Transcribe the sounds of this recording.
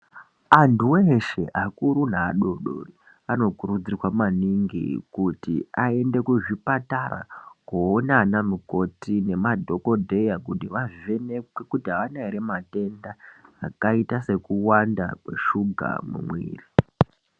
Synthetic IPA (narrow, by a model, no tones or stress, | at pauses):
antuweʃeʔakuɾunaːɗo̞ɗo̰ri | ano̞kuɾud͡zirwamaniŋɡḭkutḭae̞nde̞kuʐipatara̰koːnanamuko̞tine̞madʱo̞ko̞dʱe̞jakutiʋaviʋe̞ne̞kwekutiaʋanaiɾemate̞ndaːkaitase̞kuwandakwe̞̰ʃuɡʱa̰mṵmwḭːri